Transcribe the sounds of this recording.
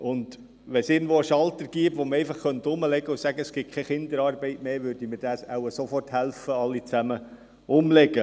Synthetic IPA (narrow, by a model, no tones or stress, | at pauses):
ʊnd̪̥ | ʋɛnsɪːɡŋ̩d̥ʋoəʃɑlt̪əɾɡ̥iəpʋoməɾɛɪfɑχχœnt̪ʊməlɛɡəʊsæɡəɛsɡ̥ɪt̚kʰɛχɪnd̪əɾɑːɾbɛɪtmeːʋʏɾdiməɾd̥æːsæ̰wəsofɔrthælfəɑlːit͡sæmə | ʊmlɛɡə